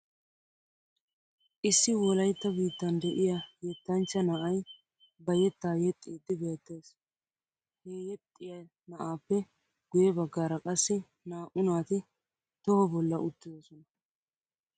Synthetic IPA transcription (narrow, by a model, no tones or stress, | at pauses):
ʔɪsːɪwɔlɐjt̪ːɐbiːt̪ːɐnd̪ɛʔɪjɐjɛt̪ːɐnt͡ʃːɐnɐʔɐj | bɐjɛt̪ːaːjɛt̪ʼːiːd̪ːɪbe̞ːt̪ːeːs | heːjɛt̪ʼːɪjɐ | nɐʔaːpːɛ | ɡ̥ʊjɛbɐɡːaːɾɐkʼɐsːɪ | naːʔʊnaːt̪ɪ | t̪ɔhɔbɔlːɐʊt̪ːɪd̪ɔsɔnɐ